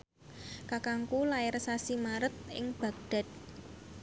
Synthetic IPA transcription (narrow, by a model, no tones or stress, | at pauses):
kakaŋkulaɪrsasimaɾət̪̚ɪ̰ŋb̥a̤k̚ɖ̪̥a̤t̪̚